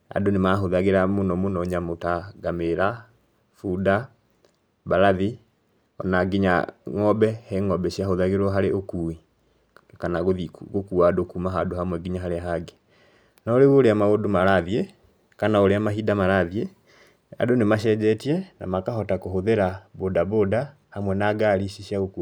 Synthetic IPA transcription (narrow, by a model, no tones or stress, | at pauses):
a̰donemaɦoðaɣeɾamonɔmonɔɲamotaɡameɾa | fuda | baɾaði | ɔ̰naɡiɲa̰ŋɔbɛheŋɔbɛɕiahoðaɣeɾwɔɦaɾeʔokui | kanaɣoðiɣokuadokumaɦadohamwɛɡiɲaɦaɾeaɦaɡe̥ | naoɾeɣoɾeamaɣodomaɾaðie | kanaoɾeamaɦidamaɾaðie | a̰donemaʃɛd͡ʒɛtiɛna̰makaɦɔtakohoðeɾabodaboːda | hamwɛnaɡaɾiɕiɕiaɣoku